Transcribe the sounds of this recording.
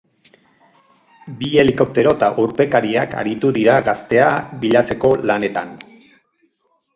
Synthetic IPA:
bie̞liko̞p̚t̪e̞ɾo̞t̪aʔuɾpe̞kaɾiaka̰ɾit̪uðiɾaɣast̪e̞aβiʎat͡se̞ko̞lane̞t̪a̰n

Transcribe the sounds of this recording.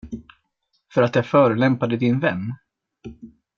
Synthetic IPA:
fœɾat̪jafœːɾəlɛmpad̪əd̪ɪnvɛnː

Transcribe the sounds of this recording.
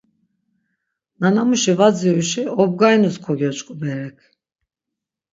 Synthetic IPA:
nanamuʃivad͡zyʃiɔb̚ɡajnuskʰɔɡʲɔt͡ʃʼkʼubɛɾɛkʰ

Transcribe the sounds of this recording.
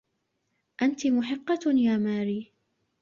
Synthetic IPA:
ʔant̪ɪmʊħɪqːɑjaːmaːɾiː

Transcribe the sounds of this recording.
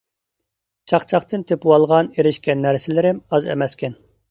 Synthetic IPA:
t͡ʃʰɑχt͡ʃʰɑχt̪ɨnt̪ʰepwɑlˠʁɑneɾɪʃkʲɛnːæɾsɪlɪɾɪmɑzḛmɛskʲɛn

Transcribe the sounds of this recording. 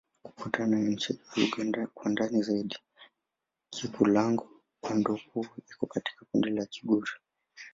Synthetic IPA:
ku̥kutʰanajaɲ̩t͡ʃɛuɡanakwandanizaiɗi | kʰikulaŋɡu | kwandɔkuikɔkati̥kakundilakiɠuɾi

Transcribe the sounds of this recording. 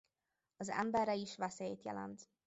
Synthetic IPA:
ɒzɛ̰mbɛrːɛiʃʋɛseːjeːt̪jɛ̰lɛ̰nt̪

